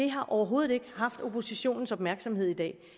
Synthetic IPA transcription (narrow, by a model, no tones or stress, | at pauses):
d̥e̝ɦɑ̈ʔɒʊɐɦo̝ːð̩ˠe̝ɡ̥əhɑ̈fd̥o̝pʰo̝siɕo̝̰ːnn̩sɒ̽b̥mæɐɡ̥sɒ̽mɦe̝ð̰ˠid̥ɛ̰ː